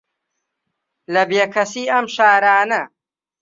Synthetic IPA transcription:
lɐbeːkʰɐsiːɐmʃaːɾaːnɐ

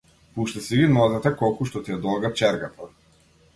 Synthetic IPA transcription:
puʃt̪ɛsiɡinɔzat̪ɛkɔlˠkuʃt̪ɔt̪ijɛd̪ɔlɡaft͡ʃɛɾɡat̪ʰa

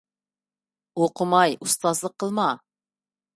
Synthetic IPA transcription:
oqʰʊmɑjʔust̪ɑzlˠəqʰːəlˠmɑ

